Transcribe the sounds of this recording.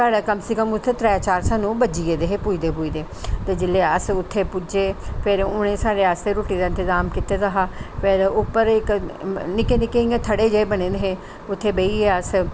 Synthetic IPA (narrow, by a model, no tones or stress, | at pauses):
saːɽaːkəmsiːkəmʊt̪ʰːeːt̪ɾɛːt͡ʃaːɾsaːnũːbəd͡ʒiːeːd̪eːɦeːpuiːd̪eːpuːiːd̪eː | t̪eːd͡ʒɪlːeːəsʊt̪ʰːeːpʊd͡ʒeːpʰɪɾʊñẽːsaːɾeːaːst̪eːɾoːʈĩːd̪aːɪnt̪əzaːmkit̪eːt̪əɦaːpʰɪɾʊpːəɾɪknɪkeːnɪkeiːãːt̪ʰəɽeːd͡ʒəeːbənẽːd̪eɦeː | ʊt̪ʰːeːbeiːeːəs